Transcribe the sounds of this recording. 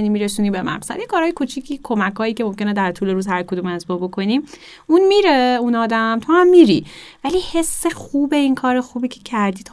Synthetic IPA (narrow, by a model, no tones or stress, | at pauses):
niːmiɾesuːnibemæ̰pʰe̥sæ̰d̪jekʰɒːɾɒːjekʰut͡ʃʰiːcʰiːkʰo̞mækhɒːjiːcʰe̞mo̞mce̞ned̪æɾt̪ʰuːle̞ɾuːzhæɾkʰod̪uːmezbobo̞kʰo̞nim | unmiːɾe̞unɒːd̪æmt̪ʰohæmːiɾḭvæliːhe̞sːexuːbe̞inkʰɒːɾexuːbiːcʰe̥cʰæɾd̪iːt̪ʰ